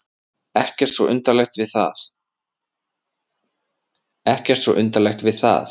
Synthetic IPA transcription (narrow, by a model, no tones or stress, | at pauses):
ɛhcɛr̥t̪svɔ̰ʔʏnt̪alɛxt̪vɪðθa̰θ | ɛhcɛr̥t̪svɔ̰ʔʏnt̪alɛxt̪vɪðθa̰θ